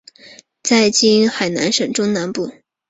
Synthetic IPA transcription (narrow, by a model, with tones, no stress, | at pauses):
t͡sa˥˩ɪt͡ɕi˥nxa˨˩ɪna̰˧˥nʂɤ˨˩ŋʈ͡ʂʊ˥ŋna˧˥npu˥˩